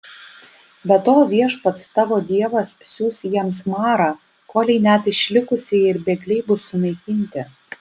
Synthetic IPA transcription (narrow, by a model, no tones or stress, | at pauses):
bʲɛt̪oːʋʲiɛʃpɐt̪st̪ɑʋoːd̪ʲiɛʋɐssʲuːsʲjiɛmsmɑːɾɑː | koːlʲɛɪnʲæt̪ɪʃʲlʲɪkʊsʲɪɪɾbʲɛɡlʲɛɪbʊsʊnɐɪkʲɪnʲt̪ʲɪ